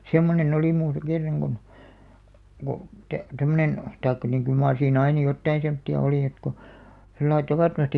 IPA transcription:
semːonen oliˑ muːsɑ̆ kerːɑŋ ɡ̊on ko tæ̆ tæmːønen tɑikːɑ niŋ kyl mɑːr siːn ɑinɑ jotːɑin̞ semtːiɑ oliˑ et ko selːɑi tɑʋɑˑtːomɑsti

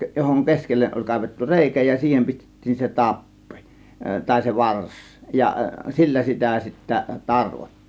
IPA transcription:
johoŋ keskelːeʔ ʔolʲ kɑˑe̝ʋetːu reˑikæ jɑ siːhem pistetːiːn se tɑpːi̥ tɑˑe̝ se ʋɑrs jɑ silːæ sitæ sitːæ tɑrʋotːi̥ːn̥

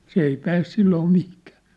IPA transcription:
s ei pæːs silːoː mihkæ̥ː

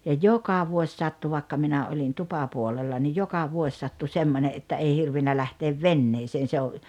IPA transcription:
jɑ jokɑ ʋuosʲ sɑtːu ʋɑˑekːɑ minæ olʲin tupɑpuolelːɑ nij jokɑ ʋuosʲ sɑtːu semːone ʔetːæ ei hirʋinːæ læhteːʋ ʋenːeːseːn̞ se o

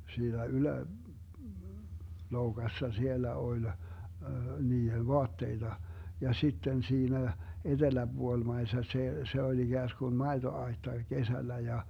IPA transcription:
siːnæ ylæ loukɑsːɑ sielːæ olʲ niːen̞ ʋoɑtːeitɑ jɑ sitːen siːnæ ed̥elæb̥uolmɑisesːɑ seː se olʲ iɡ̊æːskun mɑetoɑi̯tːɑ kesælːæ jɑ

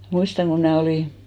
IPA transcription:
muistɑŋ ko mnæː oliˑ

